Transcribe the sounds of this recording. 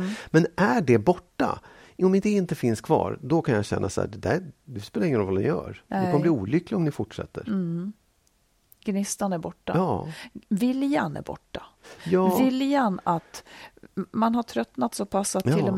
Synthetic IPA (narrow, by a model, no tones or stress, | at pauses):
mɛnæɖɛbɔʈːa̰ | mɪd̪ɛɪnt̪əfɪnskʰvɑ̰ːɾd̪ɔkʰanjaɕɛ̰nːasæ̰ːɖɛd̪æɾd̪ɵspɛːlaɾɪŋːənɾɔvɔlnɪ̰jœ̰ːɾdɛkʰɔmːəbliːuːlʏklɪɡɔmnɪfʊʈʂɛ̰t̪ːə̰ɾ | ɡ̥nɪst̪anæɾbɔʈːa̰ɑvɪljanæ̰ɾbɔ̰ʈːajɑːvɪljanat̪ | manɦaʈʰɾœt̪nat̪sɔpʰasat̪ʰːɪlɔm